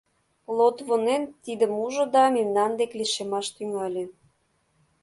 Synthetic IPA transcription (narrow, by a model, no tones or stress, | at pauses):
plˠot̪βonent̪id̪əmuʒŏd̪ɑmemnɑnd̪ekleʃemɑʃt̪yŋɑlʲĕ